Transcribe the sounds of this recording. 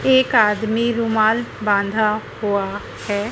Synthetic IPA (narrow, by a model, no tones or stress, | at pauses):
eːkaːd̪miɾʊmaːlbãːnd̪ʱahua | hɛː